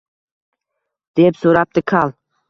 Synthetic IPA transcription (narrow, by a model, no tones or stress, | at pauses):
d̪̥epsoɾap̚t̪ʰɪkʰalˠ